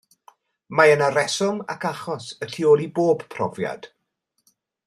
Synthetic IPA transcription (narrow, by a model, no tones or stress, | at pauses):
maənaɾɛsɔma̰kʰaχɔsətʰioːlˠiboːb̥pʰrɔ̰vja̰d̥